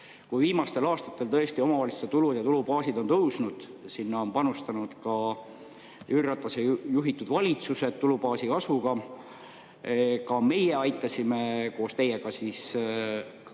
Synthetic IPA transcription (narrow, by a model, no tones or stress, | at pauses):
kujviːmɑst̪e̞lɑːst̪ɑ̥t̪ːˑe̞lt̪ɤ̞est̪io̞mɑvɑlʲist̪et̪ulud̪jɑt̪ulupɑːsid̪̥o̞nt̪ɤwsnud̪̥sinːɑo̞npɑnust̪ɑnud̪̥kɑ | yrːɑt̪ːˑɑsejuɦit̪ːˑud̪̥vɑlʲit̪suse̞d̪̥t̪ːulupɑːsikɑsvuɡɑ | kɑme̞jeɑjt̪ːˑɑsʲime̞ko̞ːst̪e̞jeɡɑsis